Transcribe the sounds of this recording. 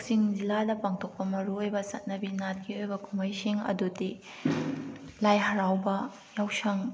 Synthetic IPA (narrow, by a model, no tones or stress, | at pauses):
siŋziladɐpaŋtʰok̚pɐmɐɾuojbɐsɐt̚nɐbinat̚ɡiojbɐkʰumɐjsiŋɐ̰dudi | lajɦɐɾawbɐ | jawsɐŋ